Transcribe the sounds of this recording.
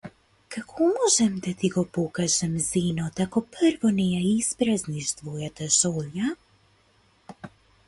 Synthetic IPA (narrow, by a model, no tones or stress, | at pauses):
kakʰɔmɔʒɛmd̪at̪iɡɔpɔkaʒɛmzinɔt̪akɔpəɾvɔnɛjaizpɾazniʃt̪vɔjat̪aʃɔlja